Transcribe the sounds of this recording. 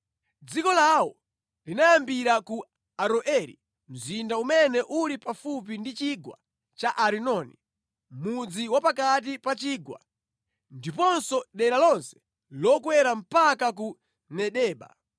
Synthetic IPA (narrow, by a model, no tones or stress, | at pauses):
d͡zikɔlawɔ | linajambiɾaku | aɾɔʔɛɾḭ | m̩zindaumɛnɛʔulipafup̬indit͡ʃiɡwa̰ | t͡ʃaʔaɾinɔni | mud͡ziwapakat̬ipat͡ʃiːɡwa̰ | ndipɔnsɔɗɛɾalɔnsɛ̥ | lɔkwɛɾam̩pakak̬u | nɛɗɛːɓa̰